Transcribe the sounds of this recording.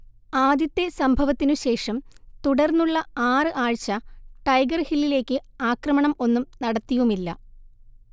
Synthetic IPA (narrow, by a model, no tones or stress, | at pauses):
aːd̪jɐt̪ːe̞sɐmbʱɐʋɐt̪ːinuɕe̞ːʂɐmt̪uɽɐrnːuɭːɐaːrɨʔaːɻt͡ɕːɐʈɐjɡɐrhilːile̞ːkːɨaːkrɐmɐɳɐmo̞nːumnɐɽɐt̪ːijumilːɐ̰